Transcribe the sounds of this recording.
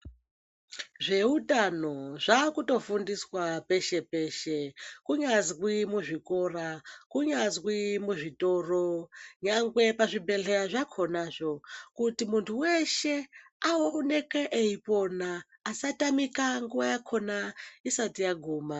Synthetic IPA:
ʐe̞utano̞ʐ̥akuto̞fundiswape̞ʃe̞pe̞ːʃekuɲazɣwimuʐikorakuɲazwimuʐitoːroɲaŋɡwe̞paʐibe̞ɮeɾaʐakʰo̞naʐo̞kutimuntʰuweʃe̞ | aone̞keʔeiponaː | satamikaŋɡuwajakʰo̞naisatijaɡʱuːma

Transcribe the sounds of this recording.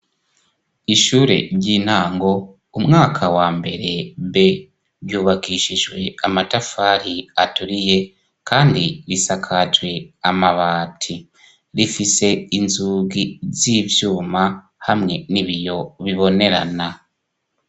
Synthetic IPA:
iʃuːɾe̞̰ɾɟiːn̥haːŋɡo̞ | umŋaːkʰawaːmbe̞ɾe̞be | ɾjuːβaɡiʃiʒwe̞amatafaːɾiatuɾije̞ | kʰaːndiɾisakʰad͡ʒwe̞amaβaːtʰi | ɾifise̞inzuːɡiziːvjuːma | hamŋe̞niβijo̞βiβo̞ne̞ɾa̰na

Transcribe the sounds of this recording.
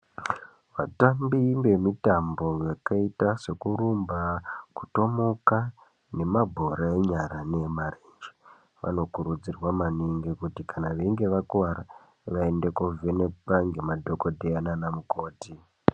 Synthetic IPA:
ʋa̰tambimbe̞mitambo̞jakaitase̞kuɾumbaku̥to̞moka | ne̞mabʱo̞ɾaeɲaɾanemarend͡ʒe | ʋa̰no̞kuɾud͡zirwamaniŋɡikutikanaʋeŋɡe̞ʋakwaɾa | ʋaende̞kovene̞paŋɡemadʱo̞ko̞dʱeananamuko̞ːti

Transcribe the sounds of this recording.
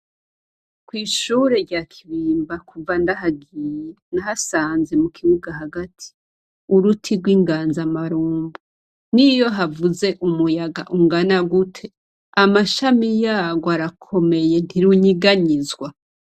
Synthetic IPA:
kwiːʃuːɾe̞ɾɟakʰiβiːmbakuvandaɦaɡije | naɦasaːnze̞mukʰiβuɡaɦaɡatʰi̥ | uɾutʰiɾɡwiːŋɡaːnzamaɾuːmbu | nijo̞ɦavuze̞ʔumujaɡa̰ʔuŋɡanaɡutʰe̞ | amaʃamijaːɡoaɾakʰo̞me̞je̞ntiɾuɲiɡaɲizɡwa

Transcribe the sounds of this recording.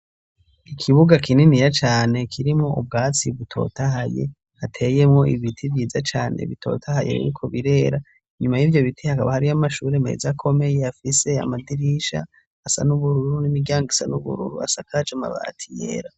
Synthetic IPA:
ikʰiβuɡakʰininijat͡ʃaːne̞kʰiɾimŋo̞ub̚ɡaːt͡siβutʰo̞̰tahaje̞̰ | hatʰe̞je̞mŋo̞iβitʰivjiːzat͡ʃaːnḛβitʰo̞̰ːtʰahaje̞̰ḭɾikʰo̞βiɾe̞ɾa | ɲumajivjo̞βitʰihakaβahaɾijamaʃuːɾemḛːzakʰo̞me̞jeafise̞a̰madiɾiʃa̰ː | sa̰nuβuɾuɾunimiɡjaːŋɡisa̰nuβṵɾṵɾṵa̰sakʰat͡ʃama̰βa̰ːtʰijḛːɾa

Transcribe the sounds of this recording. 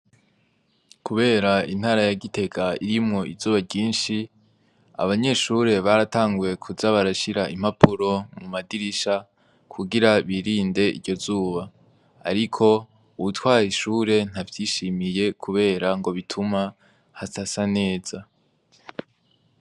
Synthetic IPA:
kuβe̞ːɾain̥haːɾajaɡite̞ɡaiɾimŋo̞ʔizuːβaɟiːnʃi | a̰βaɲe̞ʃuɾe̞βaɾataːŋɡwe̞kʰuzaβaɾaʃiɾaʔim̥hapuɾo̞mumadiɾiʃa | kʰuɡiɾaβiɾiːnde̞ʔḭdɟo̞zuːβa̰ː | ɾikʰo̞ | uβutwaːɾiʃuːɾe̞n̥havjiːʃimije̞kʰuβe̞ːɾaŋɡo̞βitʰuma | hasasane̞ːz̥a

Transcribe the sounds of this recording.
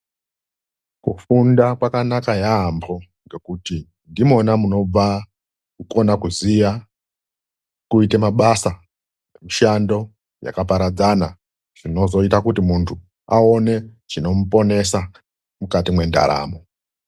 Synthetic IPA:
kufundakwakanakajaːmbʰo̞ | ŋɡe̞kuti | ndimo̞namuno̞b͡va | kuko̞nakuziʋa | kuitemaɓasa | emiʃando̞ | ja̰kapaɾad͡zana | ʐ̥ino̞zo̞itakutimuntʰu | ao̞ne̞ | t͡ʃino̞mupo̞ne̞sa | mukatimwe̞nda̰ɾa̰ːmo̞

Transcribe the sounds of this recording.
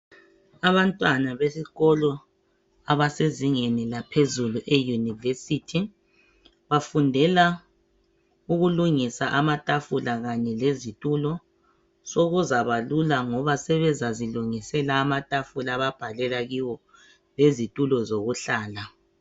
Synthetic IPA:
aβantʼwanaβesiɣɔlɔ | aβaseziŋenilapʰezuluʔejunivesitʰi | βafundʱɛla | uɣuluŋisaʔamatʼafulaɣaɲɛlezitʼulɔ | soɣuzaβalulaŋɔβasɛβɛzaziluŋisɛlaːmatʼafulaβab̥ʱalɛlaɣiwɔ | lezitʼulɔzoɣuɬaːla

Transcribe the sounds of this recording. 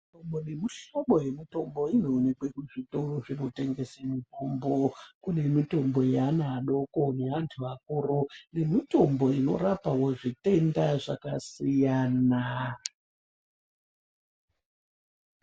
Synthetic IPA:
itomone̞miɬoɓo̞je̞mito̞mbo̞inoːnekwekuʐito̞roʐino̞te̞ŋɡe̞samitombokune̞mito̞mbo̞janaɗo̞kone̞ʋantʰuʋak̚uːrune̞mito̞mbo̞ino̞̰rapawoʐite̞ndaʐakasijaːna

